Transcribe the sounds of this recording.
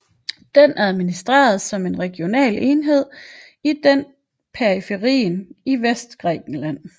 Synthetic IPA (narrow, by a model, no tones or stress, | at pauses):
d̥enæð̞ˠminisd̥ʁɛ̰ːɐð̞̩ˠsɒ̽me̝nʁɛɡ̥jo̝nɛ̰ːlenɦe̝ð̞̰ˠ | id̥en̰ | pʰeʁifeʁḭːniʋesd̥ɡ̥ʁɛ̰ːɡ̥n̩læn̰